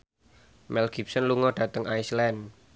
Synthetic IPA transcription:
mɛlɡ̥ip̚sɔnluŋɔɖ̥ä̤t̪əŋaislɛn

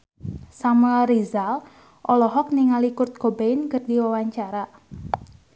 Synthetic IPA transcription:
samuaɾizal | ʔɔlɔɦɔk̚niŋalikʊrt̪̚kobeinkɨrdiwawaɲt͡ʃaɾa

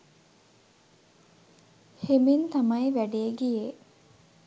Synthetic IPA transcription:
hemint̪amɐjʋæɖejəɡije

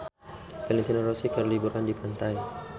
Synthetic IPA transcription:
pɛlint̪inaɾosikərlibuɾʔandipʰant̪aj

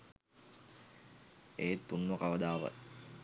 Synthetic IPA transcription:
eːt̪ːunːəkaʋəd̪aːʋə̰

